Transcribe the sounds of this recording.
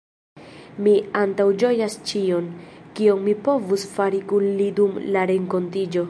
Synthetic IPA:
miantawd͡ʒo̞jast͡ʃio̞nkionmipo̞vusfaɾikunlidumlaɾe̞ŋko̞ntid͡ʒo̞

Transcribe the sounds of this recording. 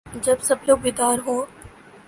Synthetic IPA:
d͡ʒɐbsɐbloːɡ̚bɪd̪aːɾɦõː

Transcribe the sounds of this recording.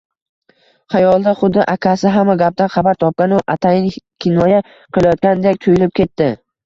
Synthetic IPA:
χajɒlˠd̪aχʊd̪ːɪʔakʲʰasɪɦamːaɡʲap̚d̪anχɑbaɾt̪ʰɒp̚kʲanʊʔat̪ʰajɪnkʲʰɪnːɒja | qʰɨlˠajɒt̪̚kʲand̪ekʲt̪ʰʊjʊlɪp̚kʲʰe̞t̪ːɪ

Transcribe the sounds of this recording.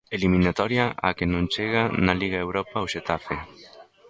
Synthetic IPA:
elimĩnat̪ɔɾjaakenõnt͡ʃeɣanaliɣaewɾɔpawʃet̪afe

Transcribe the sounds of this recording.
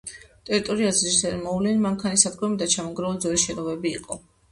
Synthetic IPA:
t̪ʼɛɾit̪ʼɔɾiazɾisɛɾmɔvlɛnmaŋkʰanisad̪ɡɔmid̪at͡ʃʰamɔɡɾaɔld̪zwɛlisʃɛnɔvɛbiːqʼɔ

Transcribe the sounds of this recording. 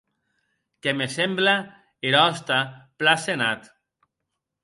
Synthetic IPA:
kemesembla | eɾɔst̪aplasenat̪

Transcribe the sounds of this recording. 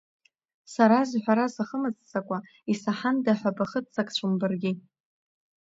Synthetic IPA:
saɾazħʷᶣaɾasaχəmɨt͡sʼt͡sʼakʷʼa | isaħandaħʷᶣabaχətt͡sʰʼakʼt͡ɕʷʰʊmbɨrɡʲɪ

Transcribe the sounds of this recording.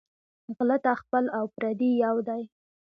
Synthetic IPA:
ɣlat̪axpəlawpɾad̪ijawd̪aj

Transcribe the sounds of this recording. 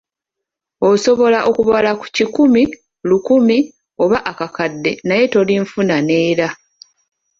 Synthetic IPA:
o̞so̞βo̞laʔokuβalaku̥cikumi | lukumi | o̞βaʔakakadːe̞naje̞to̞liɱfunane̞ːɾa

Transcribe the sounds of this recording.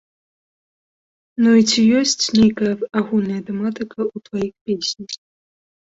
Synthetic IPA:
nuit͡sʲijɔsʲt͡sʲnʲejkɐjɐaɣulʲnɐjɐt̪ɛmat̪ɨkʰɐut̪vajixpʲesʲnʲɐx

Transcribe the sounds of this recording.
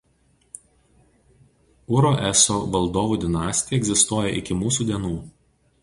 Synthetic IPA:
ʊɾoʔɛsoːʋɐlˠd̪oːʋuːd̪ʲɪnɑːsʲt̪ʲɪjɛɡʲzʲɪst̪uɔjɛʔɪkʲɪmuːs̬uːd̪ʲiɛnuː

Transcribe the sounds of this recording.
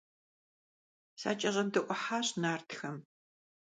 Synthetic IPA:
sa̰ːt͡ʃʼɐʑɐmdɨʔʷɔħaːɕnaːrtʰxɐm

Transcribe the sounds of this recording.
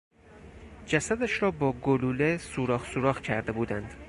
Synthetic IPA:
d͡ʒæsæd̪æʃɾɒːbɒːɡoluːlesuːɾɒːχsuɾɒːxcʰæɾd̪e̞buːd̪ænd̪̥

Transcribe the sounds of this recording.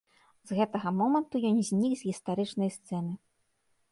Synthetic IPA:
zɣɛt̪ɐɣɐmɔmɐnt̪ujɔnzʲnʲikzʲɣʲist̪aɾɨt͡ʂnɐjst̪sɛnɨ

